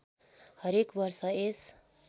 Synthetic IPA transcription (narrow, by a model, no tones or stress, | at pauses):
hʌɾekbʌrsʌes